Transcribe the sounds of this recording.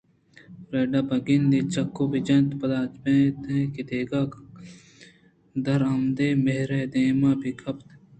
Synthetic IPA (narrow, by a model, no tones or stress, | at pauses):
ɾeːɖaːbɐɡind̪it͡ʃɐkːobid͡ʒɐ̃nt̪pɐd̪aːt͡ʃpẽːt̪ẽːkid̪eːɡaːk | d̪ɐɾɐmd̪eːmeɦɾed̪eːmaːbikʰɐpt̪